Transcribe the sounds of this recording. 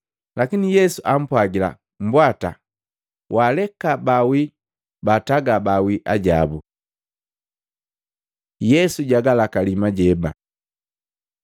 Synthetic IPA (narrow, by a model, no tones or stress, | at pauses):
lakinijɛsuʔam̩pwaɡila̰ | m̩bwata̰ | wʔalɛkabawi | bataɡabawiʔaɟa̰bu | jɛsuɟaɡalakalimaɟɛba̰